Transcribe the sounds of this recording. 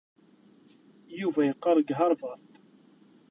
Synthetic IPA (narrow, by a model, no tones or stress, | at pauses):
juvæjəqːɑɾˤəɡɦɑɾˤvɑɾˤt̪